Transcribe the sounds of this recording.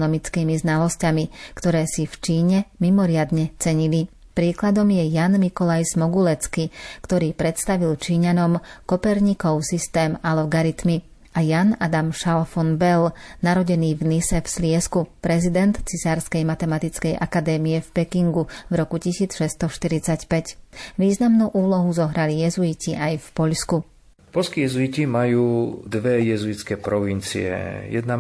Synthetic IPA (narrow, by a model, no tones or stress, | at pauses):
nɔmit͡skimiznalɔscamikt̪ɔɾɛːsift͡ʃiːɲɛmimɔɾɪad̪ɲɛt͡sɛɲili | pɾiːklad̪ɔmjɛjanmikɔlajzmɔɡulɛt͡skikt̪ɔɾiːpɾɛt̪st̪aʋilt͡ʃiːɲanɔmkɔpɛɾɲikɔʊsist̪ɛːmalɔɡaɾit̪mi | ajanad̪amʃalfɔnbɛlnaɾɔɟɛniːvnisɛfslɪɛskupɾɛzid̪ɛnt̪t͡sisaːɾskɛjmat̪ɛmat̪it͡skɛjʔakad̪ɛːmijɛfpɛkiŋɡuvɾɔkucisiːt͡sʃɛst̪ɔʃt̪iɾit͡sacpɛcʋiːznamnuːʔuːlɔɦuzɔɦɾalijɛzuiciajfpɔʎsku | pɔlskijɛzuicimajuːd̪ʋɛjɛzuit͡skɛpɾɔʋint͡sḭɛ̰jɛ̰d̪na